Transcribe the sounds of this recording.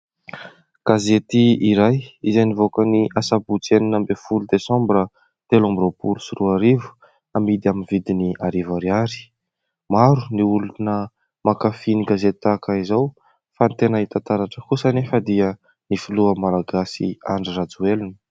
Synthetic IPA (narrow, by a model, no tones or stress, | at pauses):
ɡ̥azet̪iiɾajizenivokəniʔasabut͡seninambefulud̪esɔ̃mbɾə | t̪elãmbropulusiruaɾivu̥ | amid̪iaminvid̪iniaɾivaɾiaɾi̥ | maɾuniulunə | makafiniɡazet̪akaizaw | fant̪enəit̪ant̪aɾaʈ͡ʂəkusanefəd̪iə | nifiluəmalaɡasḭa̰ɳɖ͡ʐirad͡zuelunə̥